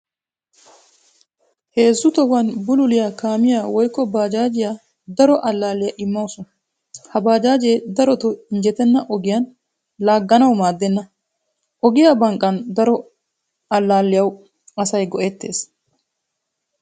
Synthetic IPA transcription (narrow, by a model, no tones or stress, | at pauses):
he̞ːzːʊt̪ɔwɐnbʊlʊlɪjakaːmɪjawɔjkːɔbaːd͡ʒaːd͡ʒɪja | d̪ɐɾɔʔɐlːaːlːɪjɐʔɪmːɐwsʊn | hɐbaːd͡ʒaːd͡ʒeːd̪ɐɾɔt̪ɔɪnd͡ʒɛt̪ɛnːɐʔɔɡɪjɐn | laːɡːɐnɐwmaːd̪ːɛnːɐ | ʔɔɡɪjabɐŋkʼːɐnd̪ɐɾɔ | ɐlːaːlːɪjɐw | ɐsɐjɡɔʔɛt̪ːeːs